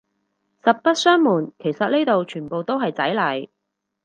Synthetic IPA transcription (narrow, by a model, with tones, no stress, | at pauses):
sɐ˨p̚pɐ˥t̚sœː˥ŋmuː˨˩nkʰe˨˩jsɐ˨t̚ne˥jt̪o˨wt͡ʃʰyː˨˩npo˨wt̪o˥wɦɐ˨jt͡sɐ˨˥jlɐ˨˩j